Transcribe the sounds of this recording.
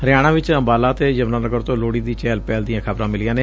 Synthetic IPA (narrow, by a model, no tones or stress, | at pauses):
ɾɪjaːɽ̃ãːʋɪt͡ʃəmbaːlaːt̪eːd͡ʒəʋnaːnəɡəɾt̪õːloːɽiːd̪iːt͡ʃɛːlpɛːld̪ijãːkʰəbɾãːmɪlɪjãːneː